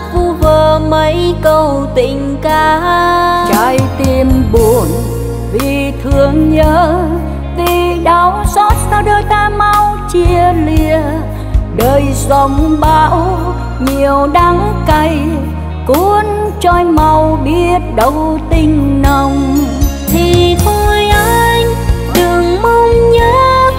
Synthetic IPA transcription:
vu˧vəː˨˩mə˨˦jkə˧˩wt̪ï˧˩ŋ̟kaː˧˩ | t͡ɕaː˨˧˦jt̪i˧˩mɓu˨˧˩ən | vi˨˩t̪ʰɨ˨˩əŋɲəː˧˦ | vi˨˩ɗaː˨˦wsɔ˦˥t̚t̪aː˧˩wɗəː˨˩jt̪aː˧˩ma˧wt͡ɕi˧əli˧ə | ɗəː˨˩jza˧˦ŋ͡mɓaː˧˦w | ɲi˨˩əwɗa˨˦ŋka˧˩j | ku˧˦nt͡ɕɔ˧˩jma˧˩wɓi˦˧˥ət̚ɗə˧˩wt̪i˧˩ŋ̟nə˧˩wŋ͡mt̪ʰi˨˩t̪ʰo˧jʔa˧j | ɗɨ˨˩əŋmɨ˧ɲəː˨˦

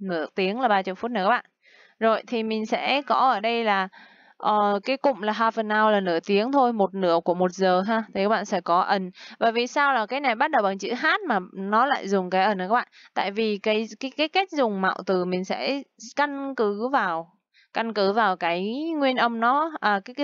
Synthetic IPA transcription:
nɨ̰˧˩ət̪i˨˦əŋlaː˨˩ɓaː˧t͡ɕə̰˧˨fu˦˥t̚nɨ̰˧˩kːaː˦˥ɓa̰ː˧˨n | zo˨˩jt̪ʰi˨˩mï˨˩ŋ̟sɛ̰˧˥kɔ˨˦ʔəː˧˩ɗə˧jlaː˨˩ | ʔəː˨˩kaː˨˦jkʊ̰˧˨ŋ͡mlaː˨˩ɦaː˧jfə˨˩nːa˧wlaː˨˩nɨ̰˧ət̪i˨˦əŋt̪ʰo˧jmo˨˩t̚nɨ̰˧˥əku˧˩əmo˨˩t̚zəː˨˩ɦaː˧t̪ʰi˨˩ka˦˥ɓa̰ː˧˨sɛ̰˧˥kɔ˨˦ʔə˧˩nvaː˨˩vi˨˩saː˧wlaː˨˩kaː˨˦jna˨˩jɓa˦˥t̚ɗə˨˩wɓaː˨˩t͡ɕɨ̰˧˥ɦaː˦˥t̚maː˨˩nɔ˨˦la̰ː˧˨jzʊ˨˩ŋ͡mkaː˨˦jʔə˧˩nː˨˧˩aː˦˥ɓa̰ː˧˨t̪a̰ː˧˨jvi˨˩kaː˨˦jkaː˨˦jkaː˨˦jka˦˥k̟̚zʊ˨˩ŋ͡mma̰˧˨wt̪ɨ˨˩mï˨˩ŋ̟sɛ̰˧˥ka˧nkɨ˨˦vaː˨˩w | ka˧nkɨ˨˦vaː˨˩wkaː˨˦jŋwi˧ənʔə˧mnɔ˨˦ʔəː˨˩kaː˨˦˨

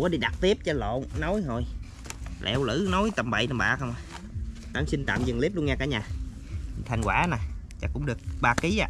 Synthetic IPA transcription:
ɔ˦ɗi˧ɗa˨˩t̚t̪i˦˥əp̚t͡ɕɔ˧lo̰˧˨nno˨˦jɦo˧˩j | lʔɛ̰˧wlɨ̰˧˥no˨˦jt̪ə˨˩mɓə̰˧˨jt̪ə˨˩mɓa̰ː˧˨˩xə˧wŋ͡mʔaː˨˩ | t̪a̰ː˨˦msi˧n̟t̪a̰ː˧˨mzɨ˨˩ŋli˦˥p̚lu˧əŋaː˧kaː˧˦ɲaː˨˩˨ | t̪ʰa˧˩jŋ̟kwaː˧˩˦na˨˩ | t͡ɕaː˧˩kʊ̰˧˥ŋ͡mɗɨ˨˩ək̚ɓaː˧˩ki˨˦ʔa̰ː˧˩

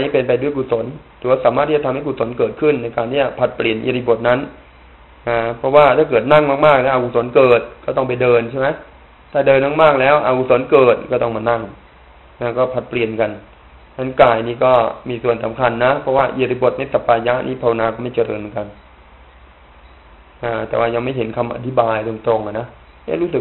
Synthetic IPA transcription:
niː˦˥pe˧npa˧jdu˥˩˨jku˨˩so˩˦nt̪ʰɛː˨˩˦waː˥˩saː˨˦maː˥˩t̪ʰːiː˥˩a˨t̪ʰmha˥˩ku˨˩so˩˦nkɤː˨˩t̪̚kʰɯ˥˩nːa˧jkaː˧nt̪iː˥˩t͡ɕa˨˩pʰa˨˩t̪̚pli˨˩ənʔḭ˧ɾi˧˩bo˨˩t̪̚na˦˥n | ʔaː˧˩pʰɾɔ˦˥waː˥˩t̪ʰaː˥˩kɤː˨˩t̪̚na˥˩ŋmaː˥˩k̚maː˥˩k̚lɛː˦˥ʔa˧˩ku˧˩so˨˩˦nkɤː˨˩t̪̚kɔː˥˩t̪ɔ˥˩ŋp̬a˧jdɤː˧nt͡ɕʰa˥˩jma˦˥j | t̪ʰaː˥˩dɤː˧nmaː˥˩kmaː˥˩k̚lɛː˦˥wʔa˧kuː˧˩so˨˩˦nkɤː˨˩t̪̚kɔː˥˩t̪ɔ˥˩ŋmaː˧na˥˩ŋ | na˦˥˩kɔː˥˩pʰa˨˦˩t̪̚pli˨˩ənka˧n | t͡ɕʰa˦˥nkaː˨˩jniː˦˥kɔː˥˩miː˧su˨˩ənsa̰˨˦mkʰa˧nːa˦˥pʰɔ˦˥waː˥˩ʔi˧ɾi˧˩bo˨˩t̪̚na˧˩jsa˨˧pːaː˧ja˦˥ʔnʔiː˦˥˩pʰa˧wa˧naː˧kɔː˥˩ma˥˩jt͡ɕa˧ɾɤ̰ː˧nmɯ˧nka˧n | ʔaː˧˩t̪ɛ̰ː˨˩waː˥˩ja˧ŋma˥˩jɦe˩˦nkʰa˧mʔa̰˧t̪ʰi˦˥baː˧jdo˧ŋt̪ɾo˧ŋʔa˨˩na˦˥ | ɲa̰˥˩ɾuː˦˥sɯ˨˩k̚

